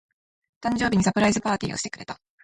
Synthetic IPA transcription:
t̪ãɲ̟d͡ʑo̞ːbiɲ̟isapɯ̟ɾaizɨpaːt̪ʲḭːo̞̰ɕi̥t̪ekɯ̟ɾe̞t̪ḁ

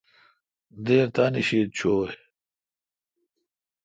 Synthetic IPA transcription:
d̪eːɾt̪aːniɕiːt̪̚t͡ɕʰoː

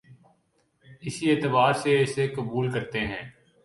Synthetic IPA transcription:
ɪsieːt̪ɪbaːɾseɪsekəbuːlkɐɾt̪eɦɛ̃ː

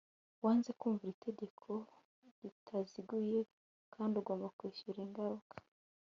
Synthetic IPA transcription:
waːnze̞kuːɱvuɾitʰe̞ɟe̞kʰo̞ | ɾitʰaziɡuje̞ | kʰaːndiuɡo̞ːmbakwiːʃuɾiŋɡaɾukʰḁ

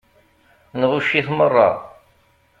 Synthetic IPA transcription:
nʁuʃːiθmərˤːɑ̰

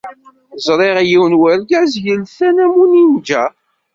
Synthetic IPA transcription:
zˤɾˤeʁjiwnwæɾɡæzjəlθænæmunimd͡ʒæ

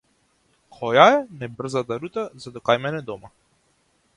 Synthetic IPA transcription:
kʰɔjaɛnɛbr̩zat̪aɾut̪azad̪ɔkajmɛnɛd̪ɔma

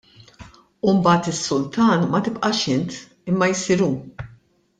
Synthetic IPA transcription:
umbɐːt̪ɪsːʊlt̪ɐːnmɐt̪ɪpʔɐʃɪnt̪ | ɪmːɐjsiɾuː

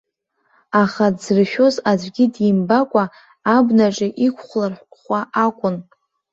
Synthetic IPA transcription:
aχadzrɨʃᶣo̞zad͡ʒʷʼɡʲɪdjimbakʷʼa | abnaʈ͡ʂʼɪʔikʷʰχʷlarħʷχʷaʔakʷʼʊn

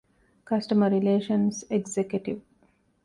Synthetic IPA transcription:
kɐsʈəməɾːileːʃə̃nseɡzekjuʈiʋ

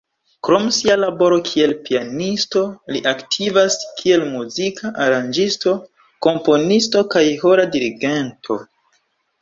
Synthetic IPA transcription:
kɾo̞msialabo̞ɾo̞kʰie̞lpianisto̞liʔaktʰivaskʰie̞lmuzikʰaʔaɾand͡ʒisto̞ | ko̞mpo̞nisto̞kajho̞ɾadiɾiɡe̞ntʰo̞̰

